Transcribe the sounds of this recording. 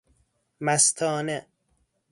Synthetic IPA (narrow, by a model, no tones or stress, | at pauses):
mæst̪ʰɒːne